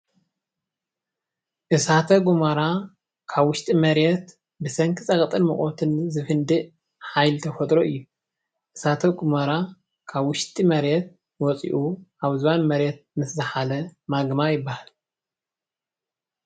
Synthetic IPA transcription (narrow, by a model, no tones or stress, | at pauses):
ʔɨsat̪ʰɐɡumaɾa | kʰaβwʊʃt̪ʼimɐɾɛt̪ | bɨsɐŋkʰɨt͡sʼɐkʼt̪ʼɨnmɨχʼot̪ʰɨnzɨfɨnd̪ɨʔ | ħajlt̪ʰɐfɐt̪ʼɾoʔɨjːu | ʔɨsat̪ʰɐɡumaɾa | kʰaβwʊʃt̪ʼimɐɾɛt̪̚ | wɔt͡sʼḭʔuʔaβzɨwanmɐɾɛt̪̚mɨszɨħalɐmaɡmajɪbːahal